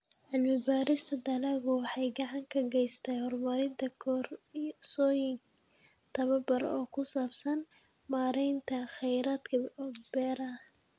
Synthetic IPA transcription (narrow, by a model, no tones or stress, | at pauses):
ʕɪlmɪbaːɾɪst̪ʰɐd̪ɐlɐɣʊwɑħɑjɡɑʕɑŋkʰɐɡɛjst̪ʰɛjhɔrmɐɾɪnt̪ʰɐkʰɔrsɔːjɪŋ | t̪ʰɐβɐbɐrɔːkʰʊsaːbsɐn | maːɾɛjnt̪ʰɐχɛjɾaːd̪kʰɐb̥ɛːɾɐ